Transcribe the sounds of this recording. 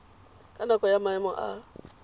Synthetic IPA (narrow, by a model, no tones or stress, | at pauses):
kʼanakʼɔjamaɛmɔʔa̰